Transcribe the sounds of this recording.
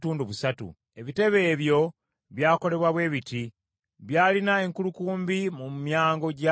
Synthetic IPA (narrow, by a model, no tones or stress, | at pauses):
tuːnduβusatṵ | e̞βite̞βe̞ːβjo̞ | βjaːko̞le̞βwaβwe̞ːβiti | βjaːlinae̞ŋkulukuːmbimumjaːŋɡo̞ɟa